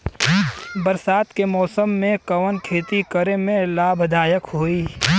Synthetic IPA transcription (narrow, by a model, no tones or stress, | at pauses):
bəɾsaːt̪kemɔːsəmːẽkɐʋənkʰeːt̪ikəɾemẽlaːbʱd̪aːjəkɦoːiː